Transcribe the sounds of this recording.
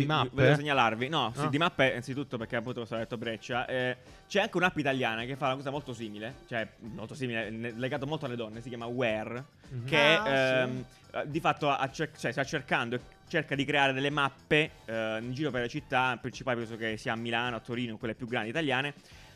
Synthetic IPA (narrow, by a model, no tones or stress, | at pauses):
simavoleos̬eɲːalarvinɔsid̪imapːeant̪sit̪ut̪ːoperk̟eapːunt̪okwst̪ad̪et̪ːobɾɛt͡ʃːaʔɛ | t͡ʃɛaŋkeunapːeit̪aljaːnak̟efːaunakɔːzamolt̪osiːmilet͡ʃoɛmːolt̪osiːmilenlːeɡaːt̪omolt̪oalːed̪ɔnːesikjaːmawɛr | ke | d̪ifat̪ːoaʔat͡ʃːet͡ʃoɛst̪at͡ʃːerkand̪oe | t͡ʃːerkad̪ikɾeaːɾed̪elːemapːenind͡ʒiːɾopeɾlet͡ʃit̪ːapːɾint͡ʃipaːlepɛnsokesːiːaːmːilaːnoat̪ːoɾiːnokwelːepjuɡːɾand̪it̪aljaːne